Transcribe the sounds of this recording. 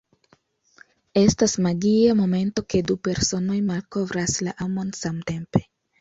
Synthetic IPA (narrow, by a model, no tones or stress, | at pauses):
e̞stasmaɡiamo̞me̞nto̞ke̞dupe̞ɾso̞no̞jmalko̞vɾaslaʔamo̞nsamte̞mpe̞